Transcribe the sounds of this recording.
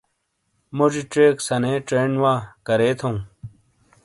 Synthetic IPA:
mod͡ʑiʈ͡ʂeːksɐneːʈ͡ʂeːɳwaːkɐɾeːt̪ʰõ

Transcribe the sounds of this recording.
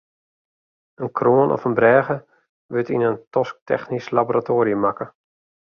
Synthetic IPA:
ənkʰroənʔɔ̰fənbrɛːɣə | ʋətinəntɔsk̚tʰɛ̰xnislaboɾatʰoːɾiəmakə

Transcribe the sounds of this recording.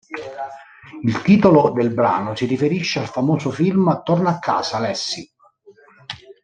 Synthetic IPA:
ilt̪iːt̪olod̪elbɾa̰ːnʊsirifeɾiʃːealfamoːsʊfilmt̪ornaakːa̰ːsaːlɛsːi

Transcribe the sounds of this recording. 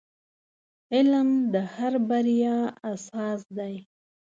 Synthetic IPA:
ɪlmd̪əhaɾbaɾjɑasɑsd̪aj

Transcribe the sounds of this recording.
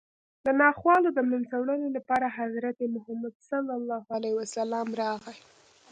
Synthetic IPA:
d̪ənɑxwɑlod̪əmlant͡sawɽənelapɑɾaɦazɾat̪emʊɦamad̪salːɑlːɑɦalaiwasalɑmɾɑɣa

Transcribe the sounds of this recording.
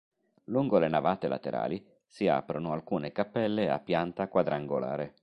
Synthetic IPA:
luŋɡolenavaːt̪ela̰t̪ḛɾʔa̰ːli | sia̰ːpɾonoalkuːnekapːɛlːea̰pːjant̪akwad̪ɾaŋɡola̰ːɾe

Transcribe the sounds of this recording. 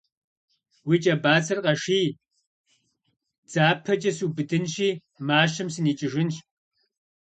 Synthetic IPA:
wiːt͡ʃʼɐbaːsɐrqɐʂiː | d͡z̥aːpʰɐt͡ʃʼɐsuːbɨdɨnʃiː | maːʃɐmsɨniːt͡ʃʼɪʒɪnʃ

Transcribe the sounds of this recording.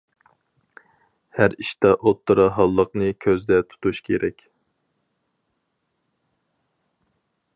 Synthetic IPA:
hæɾiʃt̪ɑʔot̪ʰːɨɾɑɦɑlˠːəqnɨkʲʰøzd̪ɛt̪ʰu̥t̪uʃkʲʰeɾɛkʲ

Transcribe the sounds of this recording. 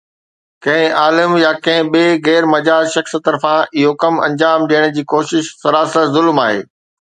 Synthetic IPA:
kɐ̃ɦɪ̃ʔaːlɪmjaːkɐ̃ɦɪ̃ɓeːɣɛːɾmɐd͡ʑaːzʃɐxst̪ɐɾfãɪɦokɐmɐ̃ɲd͡ʑaːmɗiːəɽ̃d͡ʑiːkoːʃɪʃsɐɾaːsəzʊlmaːɦḛː

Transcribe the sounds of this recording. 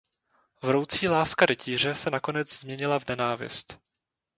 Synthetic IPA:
vɾo̞wt͡siːlaːskadɛcʰiːr̝ɛsɛnako̞nɛd͡zzmɲɛɲɪlavnɛnaːvɪ̰st̪

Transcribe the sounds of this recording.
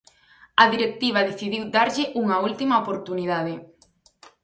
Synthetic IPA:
ɐðiɾek̚t̪iβ̞ɐðeθiðiwd̪aɾʎɪʔuŋɐult̪imɐopoɾt̪uniðaðɪ

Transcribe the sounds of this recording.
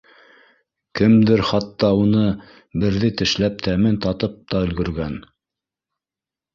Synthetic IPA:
kɘmd̪ɘɾχɑt̪ːɑunɤ | bɘ̆ɾðɘt̪ɘ̆ʃlæp̚t̪ʰæmɘnt̪ɑt̪ɤp̚t̪ɑɵ̆lɡɵ̆ɾɡæn

